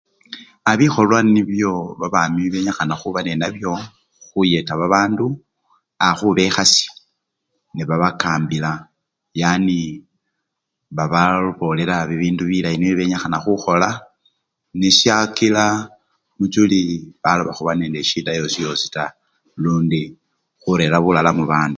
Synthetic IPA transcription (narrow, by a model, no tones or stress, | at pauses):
aβixo̞lwaniβjo̞βaβamiβe̞ɲaxanaxuβanenaβjo̞ | xuje̞taβaβaːndu | axuβe̞xasi̥ | niβaβakaːmbila | jani | βaβauβo̞le̞laβiβiːnduβilainiβiβe̞ɲaxanaxuxo̞la | niʃjakila | mut͡ʃuliβaloβaxuβaneːndeʃidajo̞sijo̞si̥ta | luːndi | xuɾe̞laβulalamuβaːndu